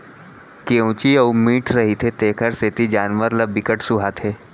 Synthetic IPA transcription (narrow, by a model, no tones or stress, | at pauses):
keũːt͡ʃiəʊmiːʈʰɾɐɦit̪ʰet̪eːkʰəɾseːt̪id͡ʒaːnʋəɾlɐbɪkəʈsʊɦat̪ʰeː